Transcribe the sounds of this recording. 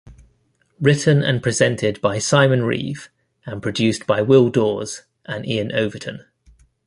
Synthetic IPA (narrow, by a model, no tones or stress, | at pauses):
ɹɪʔn̩ə̰̃npʰɹ̥ɪzɛ̃ntʰɪdbaɪsaɪmə̃nɹḭːv | ə̃npʰɹ̥ədʉˑsb̥aɪwɪlˠdɔːz̥ | ʔə̃nʔiə̃nʔəʊvətʰə̃n